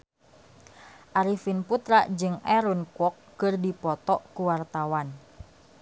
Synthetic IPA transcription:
ʔaɾifinput̪ɾaʔd͡ʒɨŋɛɾunkɔkːɨrdipɔt̪ɔʔkuwart̪awan

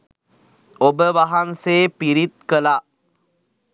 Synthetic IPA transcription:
obəʋaɦanseːpiɾit̪̚kəla

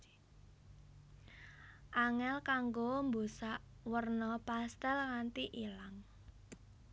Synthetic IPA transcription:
ʔaŋɛlkaŋɡombosaʔwərnɔpast̪ɛlŋant̪iʔilaŋ

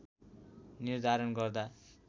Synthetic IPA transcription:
nird̪ʱaɾʌnɡʌrd̪a

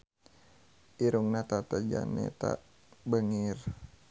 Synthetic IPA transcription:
ʔiɾuŋnat̪at̪ad͡ʒa̰nɛ̰t̪aʔ | bəŋir

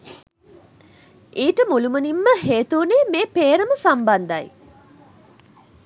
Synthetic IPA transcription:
iːʈəmulumənimːəɦeːt̪uːneːmeːpeːɾəməsamband̪aj

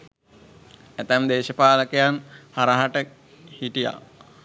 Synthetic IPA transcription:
æt̪æmd̪eːʃəpaːləkejanhaɾaɦaʈə | hiʈija̰

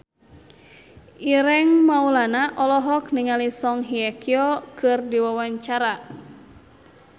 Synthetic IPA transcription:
ʔiɾɛŋmaulanaʔɔlɔɦɔkniŋalisɔŋɦiakiɔkɨrdiwawaɲt͡ʃaɾa

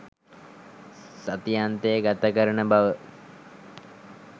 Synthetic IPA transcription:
sat̪ijant̪ejːɡat̪akəɾənəbaʋə

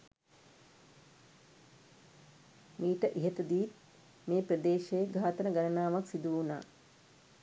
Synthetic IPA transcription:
miːʈəʔiɦet̪əd̪iːt̪̚ | meːprəd̪eːʃejɡʱaːt̪ənəɡanənaːʋaksid̪uuna̰ː

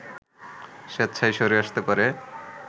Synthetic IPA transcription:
ʃet̪ːt͡ɕʰajʃoɾeaʃt̪epaɾe

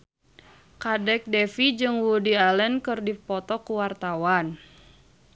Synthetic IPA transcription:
kadɛk̚dɛfid͡ʒɨŋwudialɛnkɨrdipɔt̪ɔkuwart̪awan

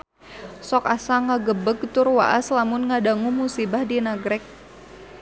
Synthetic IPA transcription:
sɔkasaŋaɡəbəɡ̚t̪ʊrwaʔaslamʊnŋadaŋumusibahdinaɡɾɛk̚

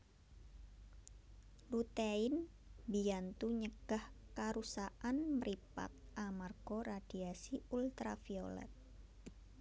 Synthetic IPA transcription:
lut̪aɪn | biant̪uɲəɡ̥ahkaɾusaʔanməɾipa̰t̪̚ʔamarɡ̥orad̥iasiult̪ɾafiolɛ̰t̪̚

